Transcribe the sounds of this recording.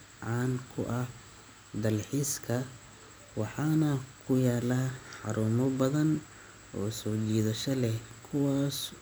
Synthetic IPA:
ʕɑːnkʰʊʔɐh | d̪ɐlħiːskʰɐ | wɑħɑːnɐkʰʊjaːlaːħɑɾuːmɔbɐðɐn | ʔɔːsɔːt͡ʃiːðɐʃɐlɛkʰʊwaːs

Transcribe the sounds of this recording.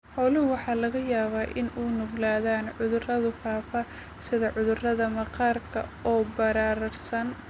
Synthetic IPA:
hɔwlɪʊwɑħɑːlɐɣɐjaːβaːʔɪ̰nuːnʊɡlaːðaːnʕʊðʊrɐðʊfaːfɐ | sɪðɐʕʊðʊrɐðɐmɐqɑːrkʰɐ̰ɔːbɐɾaːɾɐrsɐn

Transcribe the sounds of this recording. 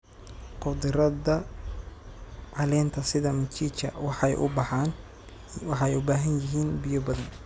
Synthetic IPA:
qʊd̪ɪɾɐðɐ | ʕɑlɛːnt̪ʰɐsɪðɐmɐt͡ʃiːt͡ʃɐ̰wɑħɑjʔʊ̰bɑħɑːn | wɑħɛjʊbaːɦɐnjɪɦiːnbɪjɔbɐðɐn

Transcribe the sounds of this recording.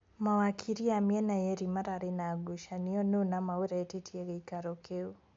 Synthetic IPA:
mawakʰiɾiamiɛnajɛɾimaɾaːɾenaːɡuʃaniɔnunamawuɾaɛtitʰiɛɣɛikaɾɔkeu

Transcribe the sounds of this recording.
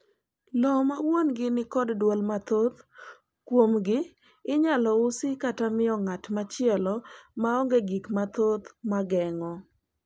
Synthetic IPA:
lɔmawonɡɪnɪkɔddwolmat̪ot̪ | kwomɡɪː | ɲalɔʊsɪkatamɪɔŋatmat͡ʃɪɛlɔmaɔŋɡeɡikmat̪ot̪maɡɛŋɔ

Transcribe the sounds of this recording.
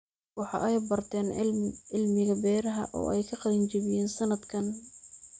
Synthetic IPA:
wɑħɑ̰ʔɛjbɐrt̪ʰɛːnɪlmɪɣɐbɛːɾɐɦɐ̰ʔɔ̰ːɛjkʰɐqɑðɐnt͡ʃɐβɪjɛːnsɐnɐd̪kʰɐn

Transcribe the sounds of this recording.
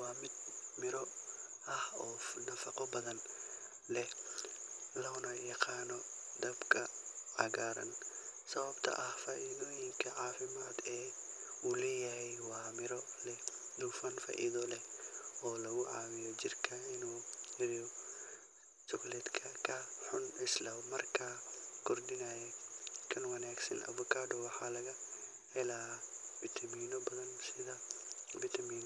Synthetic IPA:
wɑːmɪd̪mɪɾɔ | ʔɐhɔːnɐfɐqɔbɐðɐn | lɛ | lɐnɐjɐqʰɑːnɔ | d̪ɐbkʰɐʕaɡaːɾɐ̰nsɐβɐbt̪ʰɐ̰ʔɐhfaːʔiːðɔːjɪŋkʰɐʕaːfɪmaːd̪ɛː | ulɛːjɐhɛjwɑːmɪɾɔ | lɛ | duːfɐnfa̰ːʔḭːðɔlɛɔːlɐɣʊʕaːwɪjɔd͡ʒɪrkʰɐɪnuːɪɾi | t͡ʃɔɡlɛd̪kʰɐkʰɐħʊnɪslɐmɐrkʰɐkʰɔrdɪnaːjɛkʰɐnwɐnaːɡsɐnʔɐ̰vʊkʰaːɖɔwɑħaːlɐɣɐ | hɛlafɪt̪ʰɐmiːnɔbɐðɐnsɪðɐvɪt̪ʰɐmiːn

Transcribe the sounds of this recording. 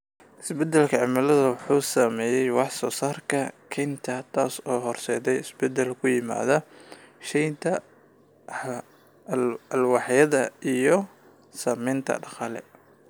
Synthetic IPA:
ʔɪsbɛd̪ɛlkʰɐʕɪmɐlɐðɐwʊħuːsamɛːjɛjwɑħsɔːsaːrkʰɐkʰɛnt̪ʰɐt̪ʰaːsɔːɦɔrsɛːðɛjɪsbɛd̪ɛlkʰʊjɪma̰ːðɐʃɛjnt̪ʰɐ | ɐlwɑħjɐðɐijɔ | saːmɛːnt̪ʰɐ̰ɖɑqɑːlɛ̰

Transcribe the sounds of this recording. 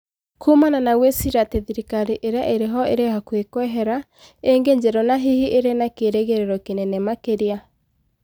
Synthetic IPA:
kʰumananaɣwesiɾateðiɾikaɾiʔeɾeaʔeɾeɦɔeɾehakwekwɛɦɛɾa | eŋɡeɲd͡ʑɛɾɔnaɦihiʔeɾenakeɾeɣeɾeɾɔkenɛnɛmakeɾia

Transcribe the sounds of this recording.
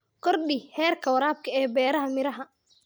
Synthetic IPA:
kʰɔrɗɪhɛːrkʰɐwɾaːb̚kʰɐɛːbɛːɾɐɦɐmɪɾɐɦɐ

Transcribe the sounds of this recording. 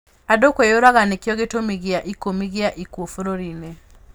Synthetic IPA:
adokwejoɾaɣanekijɔɣetomiɣiaʔikomiɣiaʔikwofuɾoɾinɛ

